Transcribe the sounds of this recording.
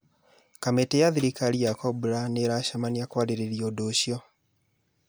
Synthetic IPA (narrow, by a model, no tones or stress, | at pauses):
kametejaðiɾikaliakɔbuɾaneɾaʃamaniakwaɾeɾeɾjɔdoɕjɔ